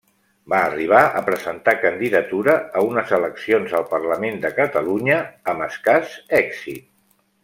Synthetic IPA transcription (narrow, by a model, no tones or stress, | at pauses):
baːriβ̞aʔə̰pɾəzənt̪akənd̪iðət̪uɾəːunəzələksionzəlˠpərləmend̪əkət̪əluɲəːməskazɛkz̥ḭt̪̚